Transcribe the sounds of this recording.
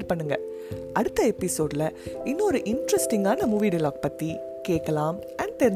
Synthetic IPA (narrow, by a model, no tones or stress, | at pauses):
ɾpɐɳːɯŋɡɐ | ʔɐɽɯt̪ːɐɛpːɪsoːɖɪlɐɪnːɾɯʔɪnɖɾɐsʈɪŋɡaːnɐmʊʋiːɽɪloːk̚pɐt̪ːi | keːkːɐlaːm | ɐɳɖt̪ɛɾɪ